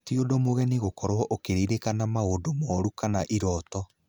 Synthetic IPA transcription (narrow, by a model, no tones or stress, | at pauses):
tiodomoɣɛniɣokɔɾwɔʔokeɾeɾekanamaodomɔɾukanaʔiɾɔtɔ